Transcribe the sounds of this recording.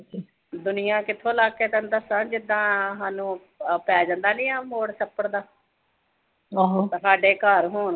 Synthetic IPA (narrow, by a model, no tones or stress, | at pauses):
d̪ʊnɪjãːkɪt̪ʰːõːlaːkeːt̪ə̃nd̪əsãːd͡ʒɪd̪ːãːɦaːnũː | pɛːd͡ʒãːnd̪aːnɪiːãːmoːɽsəpːəɽd̪aː | ɦt̪ãːsaːɖeːkəːɾɦoːn